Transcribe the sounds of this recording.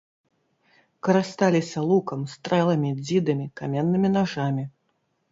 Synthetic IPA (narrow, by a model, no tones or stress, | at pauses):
kɐɾast̪alʲisʲɐlˠukɐmst̪ɾɛlˠɐmʲid͡zʲid̪ɨmʲikamʲɛnːɨmʲinaʐamʲi